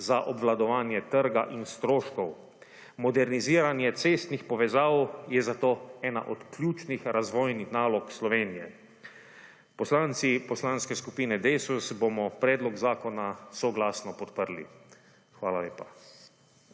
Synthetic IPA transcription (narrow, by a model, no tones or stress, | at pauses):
zaʔɔbʋlad̪ɔʋaːnjɛt̪əɾɡaʔinst̪ɾoːʃkɔw | mɔd̪ɛɾniziːɾanjɛt̪seːst̪nixpɔʋɛzaːwjɛzat̪oːɛːna̰ʔɔt̪kljuːt͡ʃnixɾazʋɔːjnixnaːlɔkslɔʋeːnijɛ̰ | pɔslaːnt̪sipɔslaːnskɛskupiːnɛd̪esusbomɔpɾɛːd̪lɔɡzaːkɔnasɔɡlaːsnɔpɔt̪pəɾlḭ | xʋaːlaleːpa